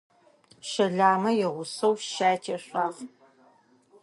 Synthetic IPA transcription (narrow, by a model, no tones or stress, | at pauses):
ʃɐɮaːmɐjɛʁʷʊsɐwʃaːjtʰeɕʷaːʁ